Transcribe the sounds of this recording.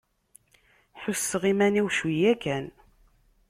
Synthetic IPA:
ħʊsːəʁimæniwʃwijækæn

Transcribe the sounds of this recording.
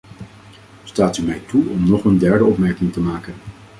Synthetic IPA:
staːtymɛjtuɔmnɔχəndɛɹdəɔpmɛɹkɪŋtəmaːkən

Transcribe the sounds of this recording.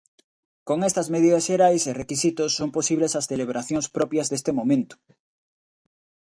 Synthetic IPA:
koŋest̪ɐzmeðiðɐsʃeɾajserekisit̪osːomposiβlesɐsθeleβ̞ɾʔaθjoŋspɾɔpjɐzðest̪emomẽnt̪ʊ̥

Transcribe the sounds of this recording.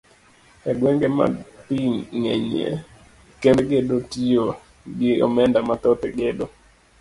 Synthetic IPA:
ɛɡwɛŋɡema̰piŋḛɲḛ | kenɡedotio | ɡɪɔ̰mɛndamat̪ɔt̪eɡedo

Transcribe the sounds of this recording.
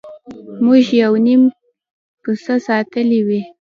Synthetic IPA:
muʒjawnim | pəsəsɑt̪əliwi

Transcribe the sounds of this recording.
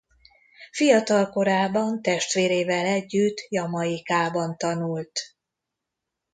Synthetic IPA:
fijɒt̪ɒlko̞ɾaːbɒnt̪ɛʃt̪ʋeːɾeːvɛlɛɟːyt̪ːjɒmɒjikaːbɒnt̪ɒnult̪

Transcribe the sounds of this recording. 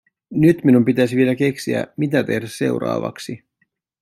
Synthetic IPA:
nyt̪minumpit̪æsiʋielæke̞ksiæ̰mit̪æt̪e̞hdæsse̞̰uɾɑ̰ːʋɑ̰ksi

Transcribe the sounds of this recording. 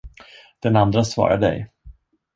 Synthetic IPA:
d̪̥ɛnand̪ɾasvɑ̰ːɾa̰ɖ̪ɛ̰j

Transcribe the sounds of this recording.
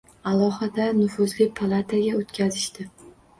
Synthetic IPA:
alˠɒhad̪anʊfʊzlɪpʰalˠat̪ʰaɡʲaot̪kʲʰazɪʃt̪ɪ

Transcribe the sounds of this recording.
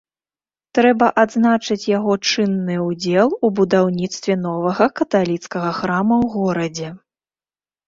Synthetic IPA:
t̪ɾɛbɐʔad̪znat͡ʂɨt͡sʲjaɣɔt͡ʂɨnːɨud͡zʲɛlˠubud̪awnʲit̪st̪vʲɛnɔvɐɣɐkɐt̪alʲit̪skɐɣɐxɾamɐwɣɔɾɐd͡zʲɛ

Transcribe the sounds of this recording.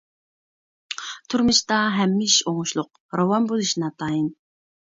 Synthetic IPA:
t̪ʰuɾmɨʃt̪ɑɦɛmːɪiʃoŋʊʃlˠʊq̚ | ɾowɑnbolˠuʃnɑt̪ʰɑːjin

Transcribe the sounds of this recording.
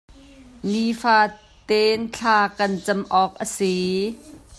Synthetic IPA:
nifaː | t̪ent͡ɬʰaːkɐnt͡sɐmʔɔːk̚ʔəsi

